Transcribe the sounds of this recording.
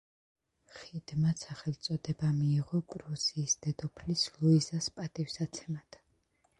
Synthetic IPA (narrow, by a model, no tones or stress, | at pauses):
χid̪masʰaχɛlˠt̪sʼɔd̪ɛbamiːʁɔkʼɾuziːsd̪̥ɛd̪ɔpʰlisluizaspʼat̪ʼifsat̪sʰɛmat̪ʰ